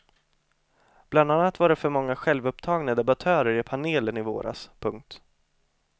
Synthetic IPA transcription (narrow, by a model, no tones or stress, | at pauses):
b̥land̪anːat̪vaɖɛfœɾmɔŋːaɧɛlvɵpt̪ʰɑːɡnad̪ɛbat̪ʰœːɾəɾɪpʰaneːlənɪvo̰ːɾʔa̰spʰɵŋk̚t̪